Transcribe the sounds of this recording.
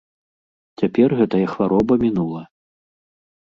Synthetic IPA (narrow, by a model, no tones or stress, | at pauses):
t͡sʲapʲɛrɣɛt̪ɐjɐxvaɾɔbɐmʲinulˠɐ